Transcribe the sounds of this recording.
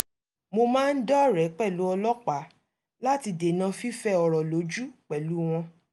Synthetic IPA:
mo˧mãː˦n̩˦dɔ˦ɾɛ˨˦k͡pɛ˦˨lu˨˦ɔ˧lɔ˦k͡pa˨˦ | la˦ti˧de˨nã˧fi˦fɛ˦ɔ˨ɾɔ˨lo˨˦d͡ʒu˦k͡pɛ˨lu˨˦w̃ɔ̃˧

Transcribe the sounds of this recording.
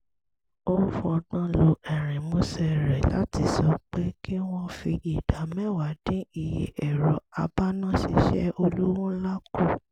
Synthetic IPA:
o˦fɔ˧dã˦lo˧ʔɛ˨ɾ̃ĩ˨mo˨˦sɛ˧˨ɾɛ˨la̰˨˦ti˧˦sɔ˨˧˦k͡pe˦ki˦w̃ɔ̃˧fi˧ɡi˨d̥a˨˦mɛ̃˦wa˨dĩ˨˦i˦˨jḛ˨ʔɛ˨ɾɔ˨˦a˧ba˦nã˦˨ʃi˧ʃɛ̰˦o˧lu˦wɔ̃˦la˦ku˦˨

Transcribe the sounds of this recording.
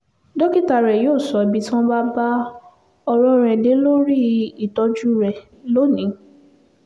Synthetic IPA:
dɔ˦ki˦˨ta˨ɾɛ˨joː˦˨sɔ˨˦˨bi˨˦tã˦ba˦ba˦ | ɔ˧ɾɔ̃˦ɾɛ˨de˨˦lo˦ɾi˦i˦˨tɔ˧˦d͡ʒu˦ɾɛ˨ | lo˦nĩ˨˦

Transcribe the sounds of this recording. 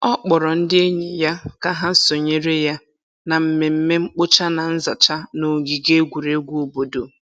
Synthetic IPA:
ɔ˦k͡pɔ˨ɾɔ˨n̩˦dɪ˦e˦ɲe˨ja˦ka˦ɦa˦so˨ɲe˦ɾe˦ja˦ | na˨m̩˨me˨m̩˦me˦ŋ͡m̩˦k͡pʊ˦t͡ʃa˦na˨n̩˦za˨t͡ʃa˦no˨ɡi˨ɡe˦ɡʷu˨ɾe˦ɡʷu˦o˨bo˨do˨

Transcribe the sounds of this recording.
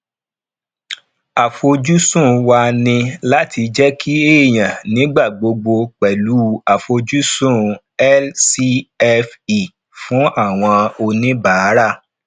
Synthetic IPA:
a˨fo˧d͡ʒu˦sũ˦˨wa˧nĩ˧la˦ti˧d͡ʒɛ˦kʰi˦e˦˨j̃ã˨nĩ˨˦ɡ͡ba˦˨ɡ͡bo˧ɡ͡bo˧k͡pɛ˨lu˨˦a˨fo˧d͡ʒu˦sũ˦˨ | ɛ˦lsi˧ɛ˧fi˨ | fũ˦a˦˨w̃ɔ̃˧o˧nĩ˦ba˨˦ɾa˦˨

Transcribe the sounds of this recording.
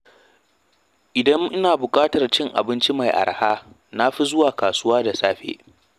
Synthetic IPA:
ʔɪ˨dɐ˦ŋʔɪ˦naː˨bʊ˨kʼaː˦tɐ˨rt͡ʃɪ˦ŋʔa̰˨bɪ˦nt͡ʃi˦ma˨jʔa̰˨ɾa˨haː˦ | na˦ɸi˦zʊ˦waː˨kaː˨sʊ˦waː˦da˨saː˦ɸḛː˦ʔ

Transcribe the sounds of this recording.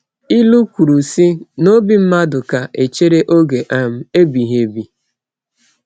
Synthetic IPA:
i˦lu˦kʷu˨ɾu˨si˦no˦bi˦m̩˦ma˦dʊ˨ka˨ʔe˨t͡ʃe˦ɾe˦ʔo˦ɡe˨ʔa˨m̩˨e˦bi˨ɦe˨bi˨

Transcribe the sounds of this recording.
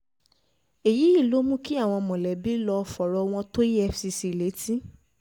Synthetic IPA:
e˨ji˨˦i˦˨lo˨˦mũ˦ki˦a˦˨w̃ɔ̃˧mɔ̃˨lɛ˨bi˨˦lɔ˧ɔ˧fɔ˨ɾɔ˧w̃ɔ̃˧to˦i˦ɛ˧fsi˧si˧˨le˨˦ti˦

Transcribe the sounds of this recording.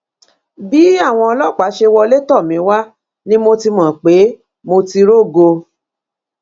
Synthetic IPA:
bi˨˦a˦˨w̃ɔ̃˧ɔ˧lɔ˦˨k͡pa˨˦ʃe˧wɔ˧le˦tɔ˦˨mĩ˨˦wa˦ | nĩ˦mo˧ti˧mɔ̃˨k͡pe˨˦ | mo˧ti˧ɾo˦˨ɡo˧

